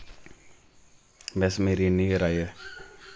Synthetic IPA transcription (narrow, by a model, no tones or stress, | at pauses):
bɛsmeːɾinĩɡəɾaːiɛ